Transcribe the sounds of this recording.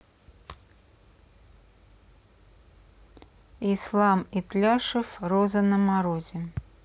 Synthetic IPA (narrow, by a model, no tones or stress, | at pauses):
islˠamɪt̪lʲaʂəfrozənəmaɾozʲɪ